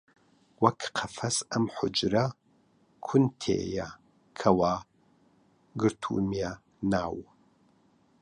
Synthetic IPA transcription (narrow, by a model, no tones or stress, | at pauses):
wɐkqʰɐfɐsɐmħʊ̰d͡ʒɾɐ | kʰʊnt̪ʰḛːjɐ | kʰɐwaː | ɡɨɾt̪ʰṵmja | naːw